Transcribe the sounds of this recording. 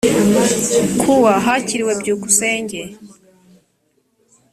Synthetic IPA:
kʰuwaɦaciɾiwe̞bɟuːku̥se̞ːɲɟe

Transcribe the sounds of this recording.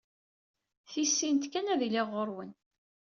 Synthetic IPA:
θisːint̪kænæðiliʁːoɾˤwən

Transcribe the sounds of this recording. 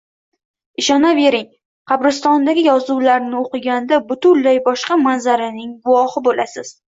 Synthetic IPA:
ɪʃɒnabe̞ɾɪŋ | qʰɑbɾɪst̪ɒnd̪aɡʲɪjɒzuwlaɾnɪoqɨɡʲand̪abʊt̪ʊlːajbɒʃqɑmanzaɾɪnɪŋɡʊwɒhɪbolasɪz̥

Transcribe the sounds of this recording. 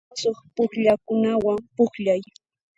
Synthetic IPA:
soχpʊkʎakʊnawampʊχʎaj

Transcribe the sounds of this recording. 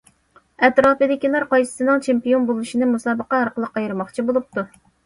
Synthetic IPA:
ɛt̪ɾɑːpɨd̪ɪkʲilˠɑɾqɑjsɨ̥sɨnɨŋt͡ʃʰempijonbolˠuʃinɨmusɑːbəqɑɑɾqəlˠəqːɑjɾɨmɑχt͡ʃʰibolˠup̚t̪ʰu

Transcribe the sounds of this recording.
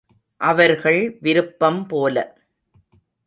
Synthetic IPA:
ʔɐʋɐɾɣɐɭʋɪɾɯpːɐmpoːlɐ

